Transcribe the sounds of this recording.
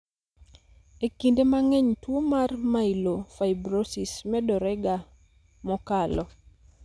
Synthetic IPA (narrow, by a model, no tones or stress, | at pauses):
ekindemaŋɛɲtwomarmailofaɪbɾosismɛdɔɾɛɡa | mɔkalɔ